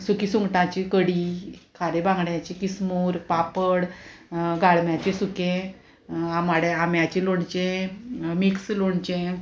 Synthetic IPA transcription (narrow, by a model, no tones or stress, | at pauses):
sukisũŋɡʈãt͡ɕikəɽikʰaɾebãŋɡɽjãt͡ɕikismuːɾpapəɽ | ɡaɭmjat͡ɕẽsukẽ | amaɽeamjat͡ɕeloɳt͡ɕẽ | miksloɳt͡ɕẽ